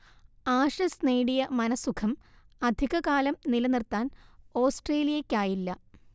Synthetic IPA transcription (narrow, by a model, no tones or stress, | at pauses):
aːʂɐsneːɽijɐmɐnɐsːukʰɐm | ɐd̪ʱiɣɐkaːlɐmnilɐnirt̪aːno̞ːsʈreːlijɐkʲːaːjilːɐ